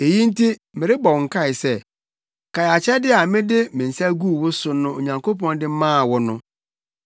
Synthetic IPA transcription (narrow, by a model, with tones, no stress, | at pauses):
e˨ji˦n̩˦tʰi˦mɪ̃˨ɾɪ˦bɔ˨ŋ̩˨kʰa˦˨ɪ˨sɛ˦ | kʰa˨ja˨t͡ɕʰɛ˦dɪ˦a˨mɪ̃˦dɪ˦mɪ̃˨n̩˨sæ˦ɡu˦˨wʊ˦sʊ˨nʊ̃˦o˨ɲã˨ŋkʰo˦pʰɔ̃˦ndɪ˦mãː˦˨wɔ˦nʊ̃˦